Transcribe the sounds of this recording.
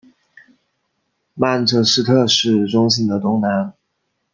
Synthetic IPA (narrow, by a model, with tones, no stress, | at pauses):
ma˥˩nʈ͡ʂʰɤ˥ʂɻ̩˥˧t̪ʰɤ˥˧ʂɻ̩˥˩ʈ͡ʂʊ˥ŋs̬i˥ŋd̪ə˨t̪ʊ˥ŋna˧˥n